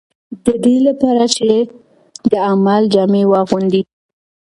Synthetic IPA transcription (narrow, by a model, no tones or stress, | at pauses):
d̪əd̪elapɑɾat͡ʃe | d̪əamald͡ʒɑmewɑɣund̪i